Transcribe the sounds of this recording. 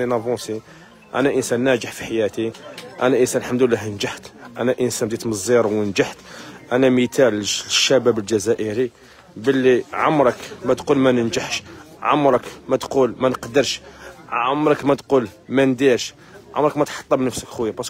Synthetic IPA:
inɑbosi | ʔæ̰næʔənsænːæd͡ʒəħfiħajæt̪iʔæ̰næʔənsænlħamd̪əlːæɦənd͡ʒaħt̪ʔænæʔənsænbd̪it̪məzˤːiɾˤwənd͡ʒaħt̪ʔænæmit̪ælʃːæbæbəld͡ʒæzæʔəɾi | bəlːiʕamɾˤəkmæt̪qulmænənd͡ʒəħʃ | ʕa̰mɾˤəkmæt̪qulmænəqd̪əɾˤʃ | a̰mɾˤəkmæt̪qulmænd̪iɾʃ | ʕa̰mɾˤəkmæt̪ħɑ̥t̪ˤːɑbnəfsəkxwjːæbɑs

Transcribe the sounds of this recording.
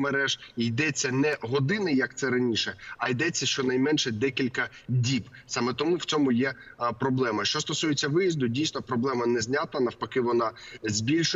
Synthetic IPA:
meɾɛʒijd̪ɛt͡sʲːɐnɛɦɔd̪ɪnɪjɐk̚t̪sɛɾɐnʲiʃɛɐjd̪ɛt͡sʲːɐʃt͡ʃɔnɐjmɛnʃɛd̪ɛkʲilʲkɐ | dʲib | sɑmɛt̪ɔmuw̥t͡sʲɔmʊjɛ | pɾɔblˠɛmɐʃt͡ʃɔst̪ɔsujet͡sʲːɐʋɪjizd̪ʊdʲijsnɔpɾɔblˠɛmɐnɛzʲnʲat̪ɐnɐwpɐkɪʋɔnɑzʲbʲilʲʃʊ

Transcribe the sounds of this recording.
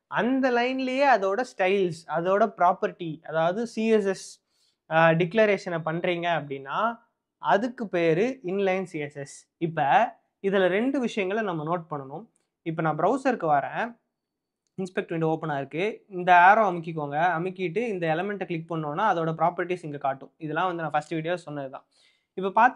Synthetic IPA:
ʔɐnd̪ɐlɐɪnɪlɐjeːɐðoːɽɐsʈɐɪlsɐðoːɽɐpɪɾaːpɐɾɪʈːiɐðaːʋɐðɯsiːɛs̬ɛs | ɖɪkːlɐɾeːʂɐnɐpɐɳːɾiːŋɡɐːɐp̬ːɐɽɪnːaː | ɐðɯkːɯpeːɾɯɪnlɐɪnsiːɛsɛs | ɪpːɐ | ɪðɐlɐɾɛɳɖɯʋɪʂɐjɐŋɡɐɭɐnɐmːɐnoːʈ̚pɐɳːɐnʊ̃ | ɪpːɐnãːbɾɐʊsɐɾkːɯʋɐɾẽː | ɪnspɛk̚ʈʋɪɳɖɯoːpɐnaːɪɾɯkːɯɪnd̪ɐaːɾoːɐmɪk̬ːɪk̬ːoːŋɡɐɐmɪkːɪʈ̬ːɯɪnd̪ɐɛlɐmɛɳʈːɛkɭɪk̚ːpɐɳːoːnːaːɐðoːɽɐp̬ɾaːpɐɾɪʈːisɪŋɡekaːʈːʊ̃ɪðɛlːãːʋɐnd̪ɯnãːfɐsʈɯʋiːʈ̬jaːsɔnːɐðɯt̪ã̰ː | ɪpːɐpaːɾt̪

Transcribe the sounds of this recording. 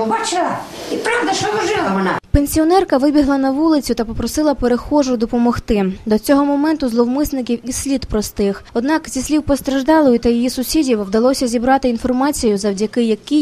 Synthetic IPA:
bɑt͡ʃɪlˠɐipɾɑʋd̪ɐʃɔʋɐʒɪlˠɐmɐnɑpenʲsʲiɔnɛrkɐʋɪbʲiɦlˠɐnɐʋulˠɪt͡sʲʊt̪ɐpɔpɾɔsɪlˠɐpeɾexɔʒʊd̪ɔpɔmɔxt̪ɪd̪ɔt͡sʲɔɦɔmɔmɛnt̪ʊzlˠɔwmɪsnɪkʲiwisʲlʲid̪pɾɔst̪ɪxɔd̪nɑkzʲisʲlʲiwpɔst̪ɾɐʒd̪ɑlˠɔjʊt̪ɐjijisʊsʲidʲiwwd̪ɐlˠɔsʲɐzʲibɾɑt̪ɪinfɔrmɑt͡sʲijʊzɐwdʲɐkɪjɐki

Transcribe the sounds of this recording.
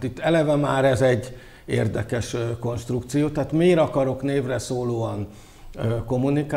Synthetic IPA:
t̪it̪ːɛlɛvɛmaːɾɛzɛɟː | ḛːrd̪ɛkɛʃko̞nʃt̪rukt̪sijoːt̪aːt̪meːɾɒkɒɾo̞kneːvrɛsoːloːɒnː | ko̞mːunika

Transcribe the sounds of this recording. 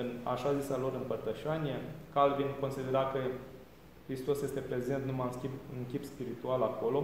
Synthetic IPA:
ɨna̰ʃazisalo̞ɾɨmpərt̪əʃaniekalvinko̞nsid̪e̞ɾakə | kɾist̪o̞sje̞st̪e̞pɾe̞ze̞nt̪numamskʲibɨŋkʲipspiɾit̪ualako̞lo̞

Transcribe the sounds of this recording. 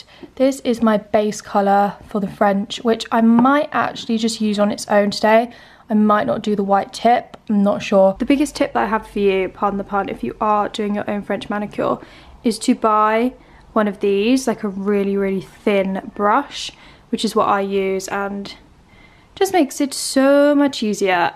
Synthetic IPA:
ðɪsɪzmaɪbeɪskʰʌləfəðəfɹɛ̃nt͡ʃwɪt͡ʃaɪmmaɪtʔa̰k̚t͡ʃul̩id͡ʒʌstjʉːzn̩ɪtsə̰̃ʊ̃ntʰədeɪ | aɪmaɪʔnə̰ʔd̥əðəwaɪtʰɪp̚ãnətʃɔːðəbɪɡɪstʰɪp̚ðəɾaɪəv̥fəjʉpʰɑˑɾn̩ðəpʰɑˑnɪ̰fjəʔəd̥ʉːɪ̃ŋjə̰˞ʔə̰̃ʊ̃nfɹɛ̃nt͡ʃmañəkʰjə̰lˠ | ɪz̥tʰəbaɪ | wʌ̃nəvðiːzlaɪkʰəɹɪəliɹɪːliθɪ̃nb̥ɹʌʃ | wɨt͡ʃɪzwʌ̰ʔa̰ɪjʉːzə̃n | d̥d͡ʒʌsmeɪksɪtsoʊmʌt͡ʃiziə

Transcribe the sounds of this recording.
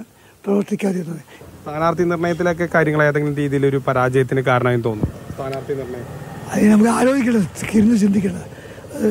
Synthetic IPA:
prɐʋɐʈːikʲːaːt̪iɾunːɐðɨst̪ʰaːnaːrt̪inirɳɐjɐt̪ːilok̬ːe̞kaːɾjɐŋɐɭaːjaːðeŋɡilmɾiːðijilo̞ɾupɐɾaːd͡ʑɐjɐt̪ːinɨkaːɾɐɳɐaːjinmt̪o̞ːnːust̪ʰaːnaːrt̪ʰinirɳɐjɐt̪ːɐðinɐmukːɨaːɾo̞ːɡikʲːɐɳɐkiɾunːɨt͡ɕind̪ʱikʲːɐɳɐ | ɨ

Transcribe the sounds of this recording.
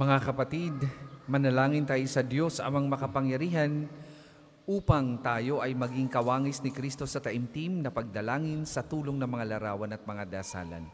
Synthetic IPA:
mɐŋakɐpɐt̪id̪mɐnɐlaːŋɪnt̪aːjosɐd̪jo̞sɐ̰mɐŋmɐkɐpɐŋjɐɾiːɦɐn | ʔuːpɐŋt̪aːjo̞ʔɐjmɐɡiŋkɐwaːŋɪsnɪkɾist̪o̞sɐt̪ɐʔɪmt̪imnɐpɐɡ̚d̪ɐlaːŋɪnsɐt̪uːloŋnɐŋmɐŋalɐɾaːwɐnɐt̪̚mɐŋad̪aːsa̰ːlɐ̰n

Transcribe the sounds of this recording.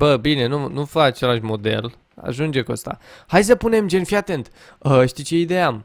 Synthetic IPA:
bəbine̞nunufəat͡ʃe̞laʃmo̞d̪e̞̰l | a̰ʒund͡ʒe̞kuəst̪a̰hajs̬əpune̞md͡ʒe̞nfiat̪e̞nt̪ | əʃt̪it͡ʃe̞id̪e̞jam

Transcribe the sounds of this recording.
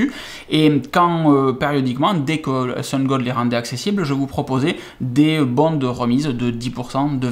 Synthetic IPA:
y | ekɑ̃øpeʁjɔd̪ikmɑ̃d̪ɛkə̰sɔ̃nɡɔd̪leʁɑ̃d̪ɛaksesiblʒəvupχɔpozɛ | d̪ebɔ̃d̪əʁəmizd̪əd̪ipuʁsɑ̃d̪ə

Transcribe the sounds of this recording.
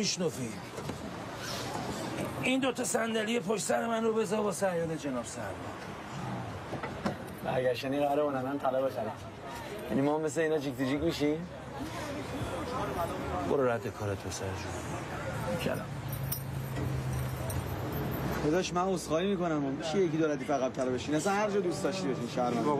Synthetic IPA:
iʃnɔfi | ind̪ot̪ʰɒsænd̪ælije̞pʰoʃsæɾemænɾobe̞zɒɾbɒsæjɒːned͡ʒenɒːbsæɾmɔ̰ | bæ̰ɾɡæɾʃæniɣaæɾebonæmænt̪ʰælɒbezænæm | jæ̰nimɒmes̬eiːnɒd͡ʒʰikt̪id͡ʒikmiʃim | boɾoɾæt̪ʰːekʰɒːɾet̪̚pʰesæɾeʃ | kʰæ̰lɒ̰m | xod̪ɒʃmænosxɒːɾimiːkonæmomit͡ʃʰijekid̪oɾæt̪iːfæɣæb̚t̪ʰælbeʃinæsænhæɾd͡ʒɒːd̪ustd̪ɒʃt̪ibeʃiːnʃæɾmæn

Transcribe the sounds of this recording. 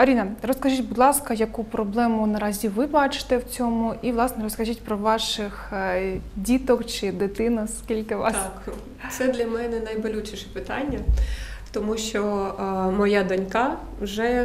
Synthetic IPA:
ɐɾʲinɐrɔskɐʒitʲbʊd̪lˠɑskɐjɐkupɾɔblˠɛmʊnɐɾɑzʲiʋɪbɑt͡ʃɪ̥t̪ɛwt͡sʲɔmʊʔiʋlˠɑsnɛɾɔskɐʒitʲpɾɔʋɑʃɪx | dʲit̪ɔkt͡ʃɪd̪ɪt̪ɪnɐskʲilʲkɪʋɑ̰tsk̪ | sɛd̪lʲɐmɛnɛnɐjbɔlʲut͡ʃɪʃɛ̥pɪt̪ɑnʲːɐt̪ɔmuʃt͡ʃɔ | mɔjad̪ɐnʲkɑ | wʒɛ

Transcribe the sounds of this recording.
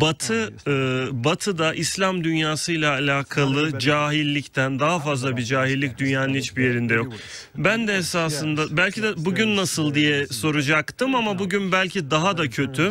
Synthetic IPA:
bat̪ʰɯɯbat̪ʰɯd̪aʔislʲamd̪ynjaːsɯjlˠaːlʲaːkʰalˠɯd͡ʒaːɦilʲːict̪ʰænd̪aɦafazlˠabid͡ʒaːɦilʲːic̚d̪ynjaːnɯnhit͡ʃbije̞ɾind̪ɛjo̞k̚ | bænd̪ɛesaːsɯnd̪abælʲcʰid̪ɛbuɟynːasɯlˠd̪ijɛso̞ɾud͡ʒakt̪ɯmamabuɟynbælʲcʰid̪aɦad̪acʰø̞t̪ʰy

